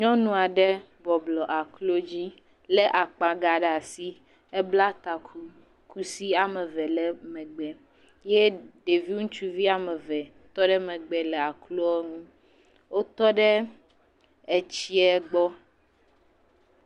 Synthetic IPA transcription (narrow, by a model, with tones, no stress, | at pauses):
ɲɔ̃˦nũ˨a˨ɖe˦ | bɔ˨blɔ˨ʔa˨klo˦d͡ʑi˦ | le˦ʔa˨k͡pa˨ɡa˨ɖa˨si˦ | ɛ˦bla˦t̪a˨ku˦ | kʰu˦si˦a˨me˨vɛ˨lɛ˦mɛ̃˨ɡ͡bɛ˨ | je˦ɖe˨vi˦ŋũ˦t͡ʃu˦vi˦a˨mɛ˨vɛ˨ | t̪ɔ˦ɖɛ˦mɛ̃˨ɡ͡bɛ˨lɛ˨a˨klo˦ɔ˦ŋũ˦ | wo˦t̪ɔ˦ɖe˦ | e˨t͡ɕi˦ɛ˦ɡ͡bɔ˦